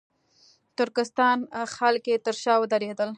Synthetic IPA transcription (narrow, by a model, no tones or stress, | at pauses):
t̪ʊɾkɪst̪ɑnxalket̪əɾʃɑwəd̪aɾed̪əl